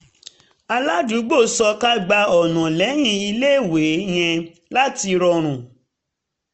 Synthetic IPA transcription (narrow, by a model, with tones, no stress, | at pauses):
a˧la˦du˨˦ɡ͡bo˦˨sɔ˧ka˦ɡ͡ba˧ɔ˨nɔ̃˨lɛ˨˦j̃ĩ˧i˧le˦˨we˨˦j̃ɛ̃˧ | la˦ti˧ɾɔ˧ɾ̃ũ˨